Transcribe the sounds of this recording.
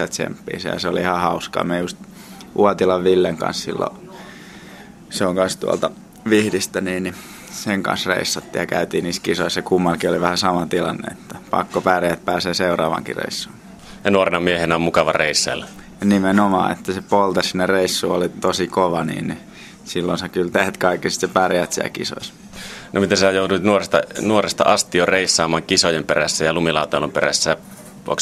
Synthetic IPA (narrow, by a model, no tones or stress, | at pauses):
æt̪t͡ʃḛmpːḭːsḛjɑ̰seoliihɑhɑuskɑ̰ːmejust̪ | ʔuɔt̪ilɑʋʋilːeŋkɑ̰nssḭlːo̰ | seoŋkɑnst̪uɑ̰lt̪ɑ | ʋihdist̪æniːnni | seŋkɑ̰̃nsrḛisːɑt̪ːiːjɑkæ̰yt̪iːniːskisoissekumːɑlkioliʋæhæsɑmɑt̪ilɑ̰nːḛet̪ːæ̥pɑ̰kːopæreæt̪̚pæːseːseurɑ̰ːʋɑ̰ŋkḭrḛisːuː | jɑnuorenɑmiehenæommukɑʋɑreisːɑ̰lː | nimenomɑ̰ːḛt̪ːæsepolt̪ɑssinːereisːuːolit̪osikoʋɑnḭːn | silːonsekylt̪eht̪kɑikːisi̥t̪sepærjæt̪siæ̰lkḭso̰is | nʔomit̪æsæjout̪uit̪nuorest̪ɑ̰nuorest̪ɑ̰ʔɑst̪ioreisːɑːmɑːŋkisojemperæsːæjɑlumilɑˑut̪ɑlːomperæ̰sːæ | ʋuo̰ks